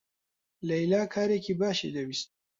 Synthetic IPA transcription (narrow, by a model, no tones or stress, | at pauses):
lɐilaːkʰaːɾekʰibaːʃḛd̪ɐwist̪̚